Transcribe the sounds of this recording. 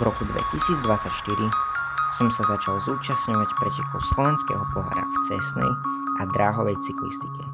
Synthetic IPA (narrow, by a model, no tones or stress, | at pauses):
vɾɔkud̪ʋɛ̰cisiːd͡zd̪ʋat͡sːacʃt̪iɾi | sɔmsazat͡ʃalzuːt͡ʃasɲɔʋacpɾɛcɛkʰɔʊslɔʋɛnskɛ̰ːɦɔpɔɦa̰ɾa̰ft͡sɛsnɛ̰jad̪ɾaːɦɔʋɛjt͡siklḭst̪i̥kɛ